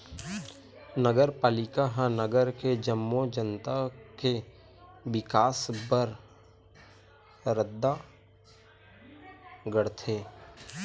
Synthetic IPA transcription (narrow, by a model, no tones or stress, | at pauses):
nəɡəɾpaːlɪkaɦãnəɡəɾked͡ʒəmːod͡ʒənt̪ake | wɪkaːsbəɾ | ɾəd̪ːa | ɡəɽt̪ʰeː